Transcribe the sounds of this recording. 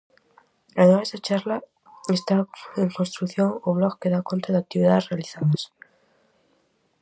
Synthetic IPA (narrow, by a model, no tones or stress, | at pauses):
aðemazðet͡ʃaɾla | e̞st̪ae̞ŋko̞nst̪ɾukθjo̞ŋoβloɣke̞ðako̞nt̪ɾaðeak̚t̪iβiðaðe̞zrealiθaðas